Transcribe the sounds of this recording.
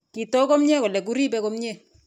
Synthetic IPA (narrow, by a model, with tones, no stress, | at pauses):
ki˨to˦kɔ˦mɲɛ˦kɔ˨lɛ˨k̬u˦ɾi˦bɛ˦kɔ˦mɲɛ˦˨